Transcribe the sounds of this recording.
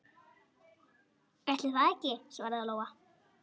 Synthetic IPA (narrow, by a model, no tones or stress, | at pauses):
ɛht̪lɪvaɛcːɪsvaːɾðaloːwa